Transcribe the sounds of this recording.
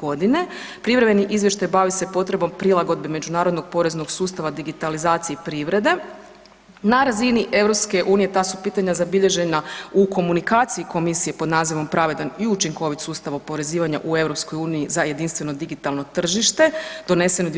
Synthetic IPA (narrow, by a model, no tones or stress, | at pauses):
ɡo̞d̪ine̞ | pɾiʋɾebeniʔizʋje̞ʃt̪ajbaʋise̞po̞t̪ɾe̞bo̞mpɾilˠaɡo̞d̪̚beme̞d͡ʒunaːɾod̪noɡ̚po̞ɾe̞zno̞ɡsuːst̪aʋad̪iɡit̪alizaːt̪sijepɾiʋɾe̞d̪e̞ | naɾaziniʔe̞ʋɾo̞pske̞ʔuːnije̞t̪aːsupiːt̪aɲazabiʎe̞ʒe̞nauko̞munikaːt̪sijiko̞misije̞po̞d̪naːziʋo̞mpɾaʋe̞d̪aniut͡ʃiŋko̞ʋit̪suːst̪aʋopo̞ɾe̞ziːʋaɲa̰ʔue̞ʋɾo̞psko̞juːniizaje̞d̪inst̪ʋe̞no̞d̪iɡit̪alˠno̞t̪r̩ʒiʃt̪e̞d̪̥o̞ne̞se̞nod̪